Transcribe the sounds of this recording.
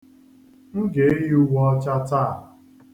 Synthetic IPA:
ŋ̩˦ɡe˨˦e˦ju˦ɡʷɔ˦ɔ˦t͡ʃa˦ta˦˨

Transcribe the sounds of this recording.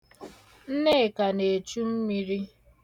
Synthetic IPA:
n̩˦ne˦˨ka˨ne˨t͡ʃu˦m̩˦mi˦ɾi˦

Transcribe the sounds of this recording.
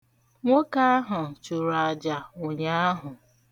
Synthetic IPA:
ŋʷo˦ka˦a˦ɦʊ˨t͡ʃu˨ɾa˨d͡ʒa˨o˨ɲa˦a˦ɦʊ˨

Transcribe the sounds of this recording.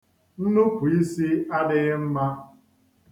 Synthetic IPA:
n̩˦nu˦pu˨i˦si˦a˦dɪ˦ɣɪ˦m̩˦ma˦

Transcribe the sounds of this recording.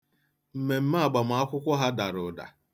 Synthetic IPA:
m̩˨me˨m̩˦ma˦a˨ɡ͡ba˨m˨a˦kʷʊ˦kʷɔ˦ɦa˦da˨ɾʊ˨da̰˨

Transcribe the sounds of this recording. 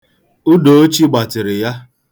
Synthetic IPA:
u˦do˨o˦t͡ʃi˦ɡ͡ba˨tɪ˨ɾɪ˨ja˦

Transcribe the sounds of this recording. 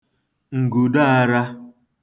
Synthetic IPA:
ŋ̩˨ɡu˨da˦a˦ɾa˦

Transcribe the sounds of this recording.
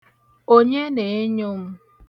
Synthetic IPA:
o˦ɲe˦ne˨e˦ɲo˦m̩˦

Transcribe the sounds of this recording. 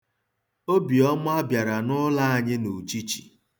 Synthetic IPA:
o˦bi˨ɔ˦mʊ˦a˦bja˨ɾa˨nʊ˦la˦a˨ɲɪ˦no˨t͡ʃi˦t͡ʃi̥̰˨

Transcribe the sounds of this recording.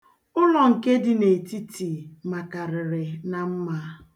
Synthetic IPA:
ʊ˦lɔ˨ŋ̩˨ke˦dɪ˨ne˨ti˦ti˨ma˨ka˨ɾɪ˨ɾɪ˨na˨m̩˦ma˦

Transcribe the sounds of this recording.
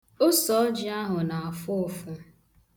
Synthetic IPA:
o˦sɔ˨˦d͡ʒi˦a˦ɦʊ˨na˨a˨fʊ˦ʊ˨fʊ˦

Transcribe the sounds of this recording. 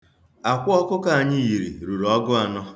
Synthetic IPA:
a˨kʷʊ˦ɔ˦kʊ˦ka˦˨a˨ɲɪ˦ji˨ɾḭ˨ɾu˨ɾɔ˦ɡʊ˦a˨nɔ˦

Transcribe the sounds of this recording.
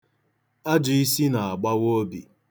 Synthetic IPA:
a˦d͡ʒʊ˨i˦si˦na˨a˨ɡ͡ba˦wo˦bi˨

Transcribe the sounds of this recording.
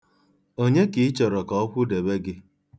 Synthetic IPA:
o˦ɲe˦ki˨˦t͡ʃɔ˨ɾɔ˨kɔ˦ɔ˦kʷʊ˦de˨be˦ɡɪ˦

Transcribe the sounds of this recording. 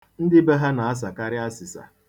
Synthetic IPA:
n̩˦dɪ˦be˦ɦa˦na˨a˦s̬a˨ka˦ɾɪ˦a˦sɪ˨sa̰˨

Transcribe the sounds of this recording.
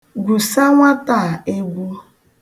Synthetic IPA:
ɡʷu˨sa˦ŋʷa˦ta˦˨e˦ɡʷu˦

